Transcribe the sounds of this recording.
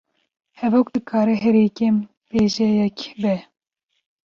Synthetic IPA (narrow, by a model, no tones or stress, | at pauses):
hɛvok̚d̪ɨkʰɑːɾɛɦɛɾeːkem | peːʒɛjɛkbɛ